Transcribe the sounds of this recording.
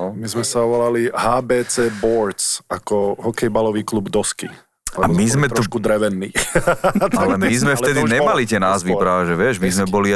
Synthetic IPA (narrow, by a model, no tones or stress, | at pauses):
ɔmizmɛsaʋɔlaliɦaːbɛːt͡sɛːbɔɾt̪sakɔɦɔkɛjbalɔʋiːklubd̪ɔski | lɛabmizmɛt̪ɾɔɔʃkud̪ɾɛʋɛnːiː | t̪alɛmmizmɛfɛd̪iɲɛmalit̪ɪɛnaːzʋipɾaaʒɛʋɪɛʒmizmɛbɔli